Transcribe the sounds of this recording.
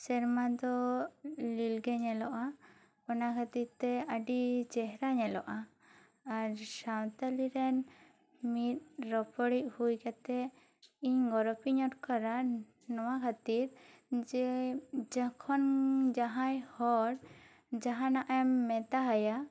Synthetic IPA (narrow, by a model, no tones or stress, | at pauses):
sɛɾmad̪ɔ | lilɡɛɲɛlɔʔa | pɔnakʰat̪iɾt̪ɛaɖit͡ʃɛɦɾaɲɛlɔʔaː | ɾsawt̪aliɾɛn | mit̪̚ɾɔpɔɽiʔ̚hujkat̪ɛ | iɲɡɔɾɔpiɲɔʈ̚kaɾa | nɔwakʰat̪iɾd͡ʒɛd͡ʒakʰɔnd͡ʒaɦãjhɔɾ | d͡ʒaɦãnaʔɛmːɛt̪aɦaja